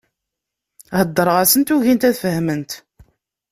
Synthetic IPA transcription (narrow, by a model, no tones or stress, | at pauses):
həd̪ˤːəɾˤʁæsənt̪uʝint̪æðfəhmənt̪